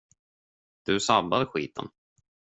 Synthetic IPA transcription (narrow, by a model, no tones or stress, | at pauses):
d̪̥ɵsabːad̪əɧḭːt̪ʰə̰n